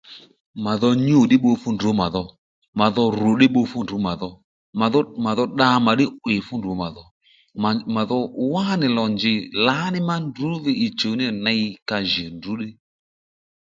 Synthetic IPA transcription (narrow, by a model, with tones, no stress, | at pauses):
ma˨ðɔ˧ɲu˨ɗɪ˦ɓo˧fʊ˦ndu˨˦ma˨ðɔ˧ | ma˨ðɔ˧ɾʊ˨ɗɪ˦ɓo˧fu˦ndu˨˦ma˨ðɔ˧ | ma˨ðɔ˦ma˨ðɔ˧ɗa˧ma˨ɗɪ˦ʔwɪ˨fʊ˦ndo˨˦ma˨ðɔ˧˨ | ma˨ðɔ˧wa˦nɪ˨lɔ˨nd͡ʒɪ˨la˨˦nɪ˦ma˦ndu˨˦ðɪ˧i˨t͡ʃo˨˦nɪ˦na˧i˧ka˧ʒɪ˨ndu˨˦ɗɪ˦